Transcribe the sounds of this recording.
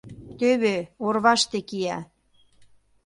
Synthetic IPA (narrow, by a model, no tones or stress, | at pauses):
t̪øβeorβɑʃt̪ekijæ